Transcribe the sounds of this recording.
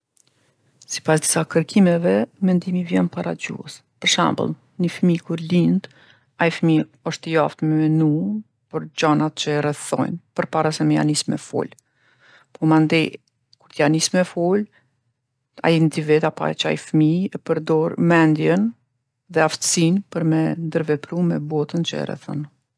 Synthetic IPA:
si̥pasd̪i̥sakəɾkʰimɛvɛmɛnd̪imivjɛnpaɾad͡ʑṵɛ̰spəɾʃɛ̰mbə̰lˠ | nəfmikuɾlind̪ | ajfmi | ɔʃt̪əjaft̪mɛmɛnu | pɔɾd͡ʑanat̪̚t͡ʃəɛrɛθɔ̰jnpəɾpaɾasɛmɛja̰nismɛ̰fṵl | pɔmand̪ɛ | kuɾt̪janismɛfɔl | a̰ind̪ivɛt̪apa̰t͡ʃəa̰jfmiɛpəɾd̪ɔɾmɛnd̪jɛn | ðɛaft̪ə̥sinpəɾmɛnd̪əɾvɛpɾumɛbɔt̪ənt͡ʃəɛ̰rɛ̰θɔ̰n

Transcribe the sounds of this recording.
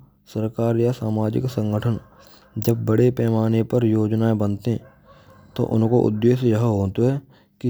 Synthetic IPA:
səɾkaːɾjasaːmaːd͡ʒɪ̰ksə̃ŋɡəʈʰən | d͡ʒəb̚ːəɽepɛːmaːnepəɾjoːd͡ʒnaːebənt̪ẽ | t̪o̰ʔʊ̰nkoʔʊ̰d̪ːeːʃjəɦɦoːt̪oɦɛ | ki

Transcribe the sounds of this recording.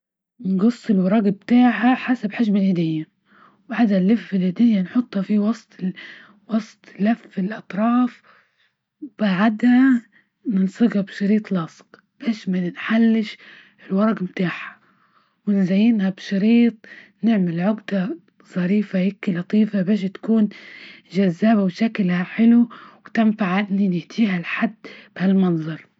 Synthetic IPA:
nɡɑsˤːɪlwɑɾˤɑːɡabt̪aːħaħasabħaʒmalhɪd̪ɪjːa | wbaʕad̪halːaffɪlhɪd̪ɪjːanħʊt̪ˤːhɑfiwɑsˤt̪ˤ | wɑsˤt̪ˤlafɪlʔɑt̪ˤɾˤɑːf | b̥aʕad̪ha | nɪnsˤɑɣɑbʃɑɾiːt̪ˤlɑːsˤq | b̥eːʃmanħalːɪʃ | ɪlwɑɾˤɑɡmt̪aːħḁ | wɪnzajːɪnhabʃɑɾiːt̪̚ˤnɪʕmɪlʕʊɡd̪a | z̥ˤɑɾiːfajɪkːilɑt̪ˤiːfabeːʃ̬t̪ḁkuːnʒazːaːbawʃaklhaħɪluwt̪ɪmfaʕʔɪnːinɪht̪iːhalħad̪ːb̥halmɑnzˤɑɾˤ

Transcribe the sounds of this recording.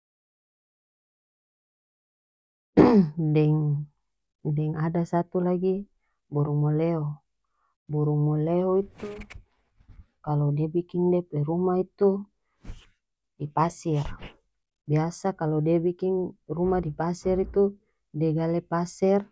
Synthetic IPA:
dɛŋ | dɛŋadasat̪ulaɡi | buɾuŋmoleo | buɾuŋmoleoit̪u | kalodɛbikiŋdɛpɛɾumait̪u | dipasɛr | biasakalodɛbikiŋrumadipasɛɾit̪u | dɛɡalɛpasɛr

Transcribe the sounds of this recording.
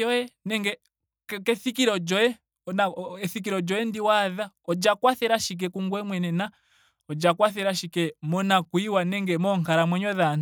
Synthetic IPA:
ɔɛnɛŋɡɛ | kɛθikiɾɔd͡ʒɔɛ | naɛθik̬iɾɔd͡ʒɔɛndiwaða | ɔd͡ʒakwaθɛɾaʃik̬ɛkuŋɡwɛmwɛnɛna | ɔd͡ʒakwaθɛɾaʃikɛmɔnakuiwanɛŋɡɛmɔŋkaɾamwɛɲɔðan

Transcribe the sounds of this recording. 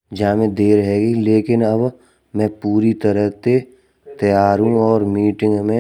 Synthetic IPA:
d͡ʒaːmẽd̪eːɾɦɛːɡileːkɪnɐb | mɛ̃ːpuːɾit̪əɾəɦt̪e | t̪əjaːɾɦũɔːɾmiːʈɪ̃ŋɡmẽ

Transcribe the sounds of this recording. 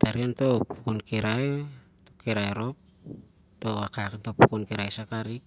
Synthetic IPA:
taɾionto̞pu̥kunkeɾaj | tokeɾajɾo̞p̚ | to̞akakantopukunkeɾajsakaɾik

